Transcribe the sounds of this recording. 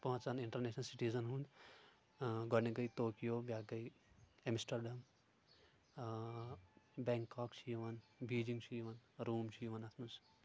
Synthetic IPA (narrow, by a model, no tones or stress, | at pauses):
pɐɦɐ̃t͡saniɳʈɐɾneːʃnɐlsiʈiːzɐnɦũnd̪ | ɡɔneɡɐjt̪oːkijoːbʲjaːɡɐjemisʈɐɾɖɐm | bɛːŋkːaːkt͡ʃʰijʋɐnbiːd͡ʒiŋɡt͡ʃʰijʋɐnɾuːmt͡ʃʰijʋɐnɐt̪ʰmus